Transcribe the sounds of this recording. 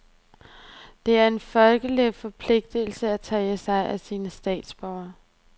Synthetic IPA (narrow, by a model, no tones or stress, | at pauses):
d̥e̝æɐe̝nfɒlɡ̥əlifɒ̽pʰle̝ɡ̥̚d̥əl̩səæt͡sʰɛːəsɑ̈ɪʔæsiːnəsd̥ɛ̰ːd̥sb̥ɒʊ̰ɐ